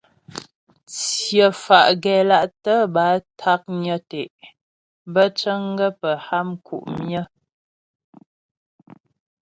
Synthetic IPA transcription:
t͡sjə˨fa˨ʔɡɛ˨la˦ʔtə˦ba˨˦tʰa˦k̚ɲə˦tɛ˨ʔ | bə˦t͡ʃə˦ŋ˦ɡə˦pə˨ha˦mkʰṵ˨ʔmjə˦

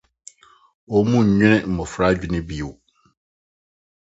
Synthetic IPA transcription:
ɔ˨mũ˦ɲ̩˨ɲᶣɪ̃˦ɾɪ̃˦m̩˨mɔ˨fɾa˦d͡ʑᶣi˦nɪ̃˦bi˦u˨w

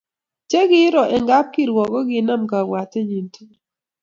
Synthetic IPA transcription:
t͡ʃe˦ɡɪ˦ɾɔ˨ʔɛ˨ŋɡa˦p̚ki˦ɾwɔ˨kɔ˦ɡɪ˨˦na˦mka˨wa˨tɛ˦ɲi˨ntu˦

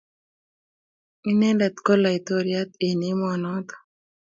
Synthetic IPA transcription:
i˦nɛ˦ndɛ˨t̪kɔ˦la˨i˨t̪o˨ɾja˦t̪e˨ni˦mɔ˨nɔ˦t̪ɔ̥

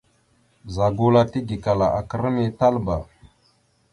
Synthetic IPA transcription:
za˨ɡu˦la˦ti˦ɡi˨ka˨la˨ʔa˨kə˦˨ɾə˦ni˦ta˦lba˨

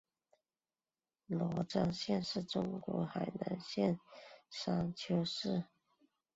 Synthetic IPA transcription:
lɔ˧˥ʈ͡ʂɑ˥ŋɕjɛ˥˧nʂɻ̩˥˩ʈ͡ʂʊ˥ŋkwɔ˧˥xa˨˩ɪna˧˥ŋɕjɛ˥˩nʂa˥ŋt͡ɕʰjo˥ʊʂɻ̩˥˩

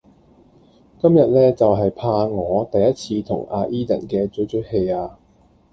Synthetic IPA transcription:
kɐ˥mjɐ˨t̚lɛː˥t͡sɐ˨wɦɐ˨jpʰaː˧ŋɔː˨˧t̪ɐ˨jːɐ˥t̚t͡sʰiː˧t̪ʰʊ̰˨˩ŋʔa̰ː˧ʔiː˥t̪ɐ̰˨˩nkɛː˧t͡sɵ˨˥t͡sɵ˨˥he˧jaː˧

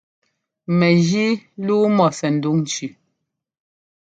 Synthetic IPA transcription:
mɛ˨ɣi˦luː˦mɔ˨sɛ˨n̩˨du˦ŋn˨t͡ʃʉ˨

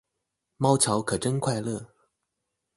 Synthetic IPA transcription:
mɑ˥ʊt͡ɕʰjɑ˧˥ʊkʰɤ˨˩ʈ͡ʂə˥nkʰwa˥˧ɪlɤ˥˩

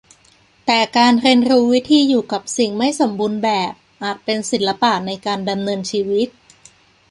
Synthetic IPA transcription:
t̪ɛː˨˩kaː˧nɾe˧ənɾuː˦˥wi˦˥t̪ʰiː˧juː˨˩ka˨˩p̚si˨˩ŋma˥˩jso˨˩˦mbuː˧nbɛː˨˩p̚ʔaː˨˩t̪̚pe˧nsi˨˩˦lːa˧˦˥paː˨˩t̪̚na˧jkaː˧nda˧mnɤː˧nt͡ɕʰiː˧wi˦˥t̪̚

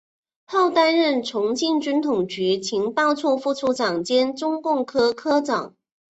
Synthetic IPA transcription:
t̪ʰɑ˥˩ʊt̪a˥nɻə˥˩nʈ͡ʂʰʊ˧˥ŋt͡ɕi˥˩nt͡ɕy˥nt̪ʰʊ˨˩ŋt͡ɕy˧˥t͡ɕʰi˧˥ŋpɑ˥˧ʊt͡sʰɔ˥˧fu˥˧t͡sʰu˥˩ʈ͡ʂɑ˨˩ŋt͡ɕjɛ˥nʈ͡ʂʊ˥ŋkʊ˥˩ŋkʰɤ˥kʰɤ˥ʈ͡ʂɑ˨˩˦ŋ

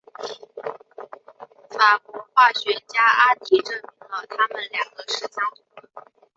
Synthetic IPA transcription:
fa˨˩kwɔ˧˥xwa˥˩ɕɥɛ˧˥t͡ɕja˥ʔa˥t̪i˥ʈ͡ʂɤ˥˩mi˧˥ŋd̪ə˧t̪ʰa˥mə˨nljɑ˨˩ŋɡə˦ʂɻ̩˥˩t͡ɕɑ˥˩ŋ˨˥

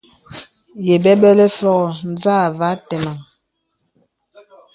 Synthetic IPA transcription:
jɛ˨bɛ˦ɓɛ˦lɛ˦fɔ˦ɣɔ˨n˦zaː˦˨va˨˦tɛ˨ma˨ŋ

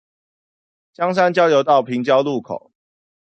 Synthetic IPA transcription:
t͡ɕjɑ˦ŋs̬a˥nt͡ɕjɑ˥˦ʊljo˧˥ʊt̪ɑ˥˩ʊpʰi˨˦ŋt͡ɕjɑ˦ʊlu˥˨kʰo̰˨˩˦ʊ

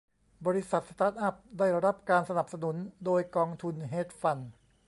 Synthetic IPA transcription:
bɔː˧ɾi˦˥sa˨˩t̪̚st̪aː˦˥t̪̚ʔa˦˥˩p̚daː˥˩jɾa˦˥p̚kaː˧nsa˧na˨˩p̚sa˧nu˩˦ndoː˧jkɔː˧ŋt̪ʰu˧nɦeː˦˥t̪̚fa˧n

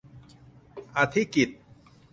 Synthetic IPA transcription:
ʔa˨˧t̪ʰi˦˥ki˨˩t̪̚

